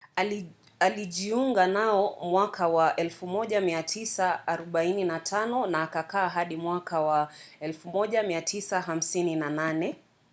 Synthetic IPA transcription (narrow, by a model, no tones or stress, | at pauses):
a | aliʄiuŋɡanaɔmwakawaʔɛlfumɔʄamiatʰisaːɾɔɓaininatʰanɔnaːkakaːɦaɗimwakʰawaɛlfumɔʄamiatʰisaɦam̩sininananɛ